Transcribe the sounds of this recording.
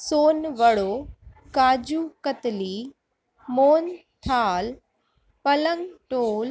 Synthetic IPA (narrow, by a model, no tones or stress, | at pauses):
soːnʋɐɽoː | kaːd͡ʑukət̪liː | moːnt̪ʰaːl | pɐləŋɡʈoːl